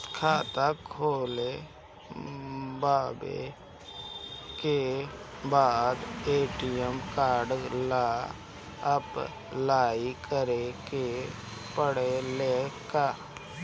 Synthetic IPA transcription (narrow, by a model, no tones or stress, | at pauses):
kʰaːt̪akʰoːle | baːbḛ | ke | baːd̪eːʈijəmkaːɾɖla | əp | laːikəɾeke | pəɽeleːkaː